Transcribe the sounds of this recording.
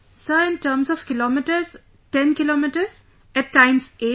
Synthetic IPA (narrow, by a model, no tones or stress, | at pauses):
səɾɪ̃nʈəːɾmsɔfkɪlɔːmɪʈəɾz | ʈɛ̃nkɪloːmɪʈəɾz | ɛʈːãɪ̃mseː